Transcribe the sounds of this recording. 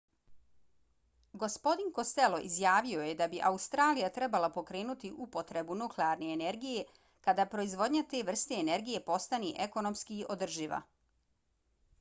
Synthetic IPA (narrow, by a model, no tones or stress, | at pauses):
ɡo̞spo̞d̪inko̞st̪e̞lo̞ʔizjaːʋio̞jed̪abiʔaust̪ɾaːlijat̪ɾebalˠapo̞kɾe̞ːnut̪iʔupo̞t̪ɾe̞bunukleaɾne̞ːne̞ɾɡije̞ | kad̪aːpɾo̞izʋo̞d̪ɲat̪e̞ːʋr̩st̪e̞ːne̞ɾɡije̞po̞st̪aneʔeko̞no̞mskiʔo̞d̪r̩ʒiʋa̰